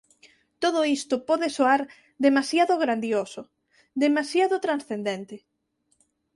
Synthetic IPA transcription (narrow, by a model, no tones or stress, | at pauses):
t̪oð̞ʊist̪ʊpɔðesoaɾ | d̪emasjaðʊɣɾand̪josʊ | d̪emasjaðʊt̪ɾansθend̪ent̪ɪ